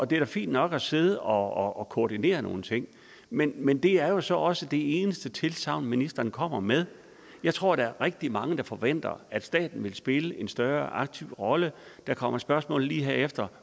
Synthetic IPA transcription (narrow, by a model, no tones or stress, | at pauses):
ʔɒ̽d̥e̝ɾ̥æfḭːnd̥nɒ̽ɡ̥æse̝ð̞ˠɒ̽ɒkʰoːd̥ine̝̰ːɐno̝ːn̩t͡sʰe̝ŋ̰ | menmend̥e̝æɐjo̝sɒ̽ʔɒ̽səd̥e̝e̝ːnəsd̥ət͡sʰe̝lsʰɑ̈ʊ̰nminisd̥ɐnkʰɒ̽m̰ɐmeð̞ˠ | jɑ̈ɪt͡sʰʁo̝ɐ̰ɾ̥ɑ̈æɐʁeɡ̥̚d̥imɑ̈ŋəd̥ɑ̈fɒ̽ʋen̰d̥ɐ̰æd̥sd̥ɛ̰ːd̥n̩ʋe̝lsb̥e̝ləe̝nsd̥ɶɐʔɑ̈ɡ̥̚t͡sʰiʊ̰ʁɒ̽ləd̥ɑ̈kʰɒ̽m̰ɐsb̥ɶɐsmɔ̰ːl̩lḭːɦeɐefd̥ɐ